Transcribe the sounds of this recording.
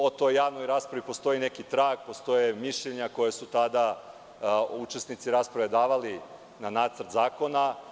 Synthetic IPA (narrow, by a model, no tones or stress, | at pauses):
ot̪o̞jːaːʋnojɾaːspɾaʋipo̞st̪o̞jine̞kit̪ɾaːɡpost̪o̞jemiʃʎeɲako̞jesut̪ad̪a | ut͡ʃesnit̪siɾaːspɾaʋe̞d̪aːʋali | nanaːt̪sɾt̪zaːko̞na